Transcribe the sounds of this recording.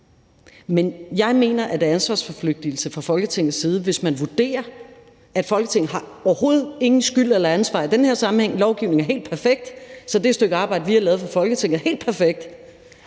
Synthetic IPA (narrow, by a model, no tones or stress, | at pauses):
menjɑ̈ɪme̝̰ːnɐʔæd̥eænsʋɑ̈ːsfɒfløɡ̥̚d̥il̩səfʁɑ̈fɒ̽lɡ̥ət͡sʰeŋ̰ð̩ˠsiːð̞ˠəʋe̝smænʋud̥e̝̰ːɐ | æd̥fɒ̽lɡ̥ət͡sʰeŋ̰n̩ɦɑ̈ɒʊɐho̝ːð̞̩ˠe̝ŋn̩sɡ̥yl̰elɐænsʋɑ̰̈id̥enhe̝ɐ̰sɑ̈mn̩heŋ̰lɒʊɡ̥iʊne̝ŋæɐɦe̝̰ːld̥̚pʰæɐfeɡ̥̚d̥sɒ̽d̥esd̥øɡ̥əɑ̈ːbɑ̈ɪ̰dəʋihɑ̈lɛːð̞̩ˠfʁɑ̈fɒ̽lɡ̥ət͡sʰeŋ̰ð̩ˠæɐhe̝̰ːld̥pʰæɐfeɡ̥̚d̥